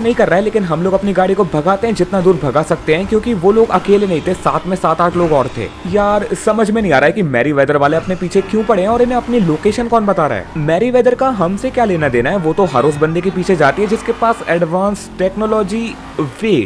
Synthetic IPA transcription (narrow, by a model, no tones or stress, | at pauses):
anɐɦĩkɐɾːaːɦɛleːkɪnɦɐmloːɡɐpniɡaːɽikobʱɐɡaːt̪eɦɛ̃d͡ʒɪt̪nad̪uːɾbʱɐɡaːsɐk̚t̪eɦɛ̃kjõːkiʋoloːɡɐkeːlenɐɦĩt̪ʰesaːt̪ʰmẽsaːt̪aːʈʰloːɡɔːɾt̪ʰḛːjaːɾsɐməd͡ʒʱmẽnɐɦĩaːɾaːɦɛkimɛːɾiʋɛːd̪əɾʋaːleɐpnepiːt͡ʃʰekjũːpɐɽ̤eɦɛ̃ɔːɾɪnẽɐpniloːkeːʃənkɔːnbɐt̪aːɾa̰ɦɛ̰ːmɛːɾiʋeːd̪əɾkaɦɐmsekjaːleːnad̪eːnaɦɛʋoːt̪oɦa̰ːɾoːs̬bɐ̃nd̪ekipiːt͡ʃʰed͡ʒaːt̪iɦɛ̃d͡ʒɪskepaːsɛɖʋãːnsʈɛːknoːlɔːd͡ʒi | ʋeː